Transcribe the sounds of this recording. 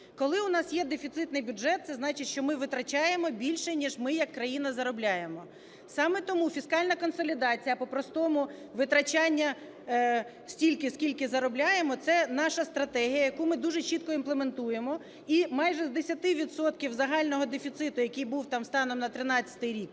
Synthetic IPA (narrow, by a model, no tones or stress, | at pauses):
kɔlˠɪʊnɑsjɛd̪efʲit̪sɪt̪nɪjbʲʊdʐɛt̪̚sɛznɑt͡ʃɪtʲʃt͡ʃɔmɪʋɪt̪ɾɐt͡ʃɑjemɔbʲilʲʃɛnʲiʒmɪjɐkːɾɐjin̪ɐzɐɾɔblʲajemɔ | sɑmɛt̪ɔmufʲiskɑlʲnɐkɔnsɔlʲid̪ɑt͡sʲijɐpɔpɾɔst̪ɔmʊ | ʋɪt̪ɾɐt͡ʃanʲːɐ | sʲtʲilʲkɪskʲilʲkɪzɐɾɔblʲajemɔt̪sɛnɑʃɐst̪ɾɐt̪ɛɦʲijɐjɐkumɪd̪uʒɛt͡ʃit̪̚kɔinplˠement̪uje̞mɔ | imɑjʒɛzd̪esʲɐt̪ɪʋʲid̪sɔt̪kʲiwzɐɦɑlʲnɔɦɔd̪efʲit̪sɪt̪ʊjɐkɪjbuwt̪ɑmst̪ɑnɔmnɐt̪ɾɪnɑt͡st͡sʲːɐ̥t̪ɪjɾʲik